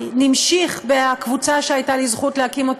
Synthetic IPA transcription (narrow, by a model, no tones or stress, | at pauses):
nimʃiχbeakvut͡saʃeajtalizχutleakimo̞t